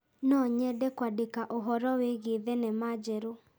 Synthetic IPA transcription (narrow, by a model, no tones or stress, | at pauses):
nɔɲɛdɛkwadekaʔoɦɔɾɔweɣeðenɛmad͡ʒɛɾo